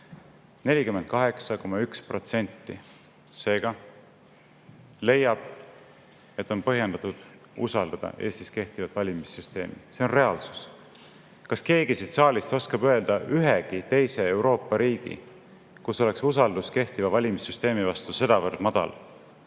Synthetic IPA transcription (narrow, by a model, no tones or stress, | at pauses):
ne̞lʲikyment̪̚kɑɦe̞ksɑko̞mɑykspro̞t̪se̞nʲt̪ːi | se̞ːɡ̥ɑ | le̞jːɑb̥ | e̞t̪ːˑo̞npɤɦjend̪ɑt̪ud̪̥ | usɑld̪̥ɑd̪̥ɑ̰ʔe̞ːst̪iske̞ht̪ivɑt̪vɑlʲimisːyst̪e̞ːmḭse̞o̞nre̞ɑlsu̥s | kɑske̞ːɡisit̪sɑːlʲist̪o̞skɑbøe̞ld̪̥ɑyɦeɡ̥it̪e̞jsee̞wɾo̞ːpːˑɑɾiːɡ̥ḭ | kuso̞leksus̬ɑld̪̥uske̞ht̪ivɑvɑlʲimisːyst̪e̞ːmivɑst̪use̞d̪ɑvɤrd̪̥mɑd̪̥ɑ̰l